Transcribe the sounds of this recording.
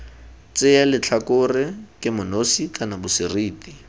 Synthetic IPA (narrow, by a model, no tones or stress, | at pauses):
t͡sɪalɪt͡ɬʰakʊrɪkʼɪmʊnosikʼanabʊsɪriːti